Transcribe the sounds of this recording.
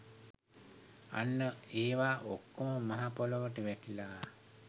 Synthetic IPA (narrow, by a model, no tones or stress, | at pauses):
a̰nːəeːʋaːʔokːoməmaɦapoloʋəʈəʋæʈilaː